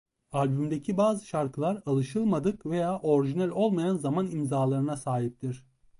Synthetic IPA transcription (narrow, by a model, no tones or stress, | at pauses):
alʲbymd̪e̞cʰibaːzɯʃaɾkʰɯlˠaɾalˠɯʃɯlˠmad̪ɯkve̞jaːʔo̞ɾiʒinælʲo̞lˠmajanzamanimzaːlˠaɾɯnasaːɦip̚t̪ʰiɾ̝̥